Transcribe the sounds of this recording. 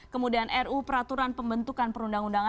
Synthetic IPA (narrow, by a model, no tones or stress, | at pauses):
kəmudianʔɛrupəɾat̪uɾanpəmbənt̪ukanpəɾundaŋundaŋa